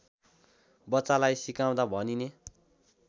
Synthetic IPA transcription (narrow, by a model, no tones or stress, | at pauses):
bʌsalajsikaw̃d̪abʱʌnine